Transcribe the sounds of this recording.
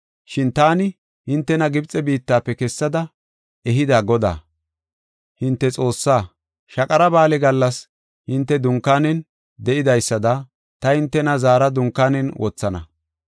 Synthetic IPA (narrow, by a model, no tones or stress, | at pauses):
ʃɪnt̪aːnɪ | hɪnt̪ːɛnɐɡɪbt͡sʼɛbiːt̪ːaːpːɛkɛsːɐd̪ɐ | ɛɦɪd̪aːɡɔd̪a̰ː | hɪnt̪ːɛt͡sʼo̞ːsːaː | ʃɐkʼɐɾɐbaːlɛɡɐlːɐs | hɪnt̪ːɛd̪ʊŋkːaːnɛn | d̪ɛʔɪd̪ɐjsːɐd̪ɐ | t̪ɐhɪnt̪ːɛnɐzaːɾɐd̪ʊŋkːaːnɛnwʔɔt͡sːɐnɐ̰